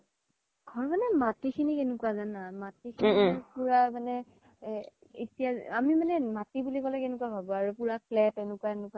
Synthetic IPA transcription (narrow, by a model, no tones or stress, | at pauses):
ɡʱɔɹmanɛmatikʰinikenʊkuwazanamatikʰiipuɹamanɛ | ḭtijaamimanɛmatibulikɔlɛkenʊkuabʱabɔaɹupuɹaklɛtenʊkwaenʊkua